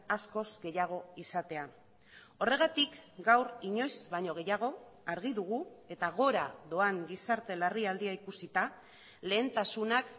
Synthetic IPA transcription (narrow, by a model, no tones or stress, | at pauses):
asko̞zɡe̞jaɣ̞o̞isat̪e̞a | o̞re̞ɣ̞at̪ikɡawɾiɲo̞jzβaɲo̞ɣ̞e̞jaɣ̞o̞aɾɣ̞iðuɣ̞ue̞t̪aɣ̞o̞ɾaðo̞aŋɡisaɾt̪e̞lariald̪iaikusit̪a | le̞ːnt̪asunak